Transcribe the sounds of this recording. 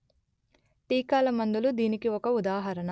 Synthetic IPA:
t̪iːkaːlɐmɐnd̪ulud̪iːnikiɔkɐud̪aːɦɐɾɐnɐ

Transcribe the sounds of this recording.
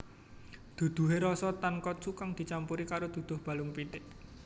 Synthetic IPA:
d̪̥ṳd̪̥ṳɦeɾɔsɔt̪ankɔt̪̚sukaŋd̪̥i̤t͡ʃampuɾikaɾod̪̥ṳd̪̥ʊ̤hb̥a̤lʊŋpit̪ɪʔ

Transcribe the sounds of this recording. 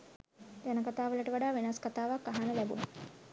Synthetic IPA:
d͡ʒanəkat̪aːʋələʈəʋaɖaːʋenaskat̪aːʋakːaɦanəlæbṵnə

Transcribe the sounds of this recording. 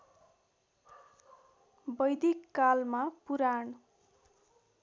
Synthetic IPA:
bʌjd̪ikːalmapuɾaɳ

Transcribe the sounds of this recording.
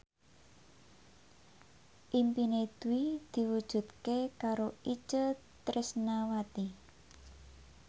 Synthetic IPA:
ʔimpined̪̥ṳwid̪̥i̤wud̥ʒ̥ṳt̪̚kekaɾoʔit͡ʃə | t̪ɾʔɪsnawat̪i

